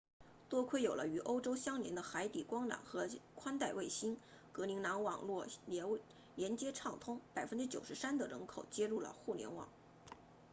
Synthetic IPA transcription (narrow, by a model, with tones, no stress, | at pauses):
t̪wɔ˥kʰwe˥˩ɪjo˨˩ʊlə˦y˧˥ʔo˥ʊʈ͡ʂo˥ʊɕjɑ˥ŋljɛ̰˧˥nd̪ə˧xa˧˥ɪt̪i˨˩kwɑ˥ŋla̰˨˩nxɤ˧˥kʰwa˥nt̪a˥˧ɪwe˥˩ɪɕi˥n | kɤ˧˥li˧˥ŋna˧˥nwɑ˨˩ŋlwɔ˥˩l | ljɛ˧˥nt͡ɕjɛ˥ʈ͡ʂʰɑ˥˩ŋt̪ʰʊ˥ŋpa˨˩ɪfə˥nʈ͡ʂɻ̩˥t͡ɕjo˨˩ʊʂɻ̩˧˥sa˥nd̪ə˨ɻə̰˧˥nkʰo˨˩ʊt͡ɕjɛ˥ɻu˥˩lə̰˩xu˥˩ljɛ̰˧˥nwɑ̰˨˩˦ŋ